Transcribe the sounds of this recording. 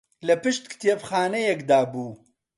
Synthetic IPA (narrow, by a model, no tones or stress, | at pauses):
lɐpɨʃt̪kʰt̪ʰjepxaːnɐjɛkd̪aːbuː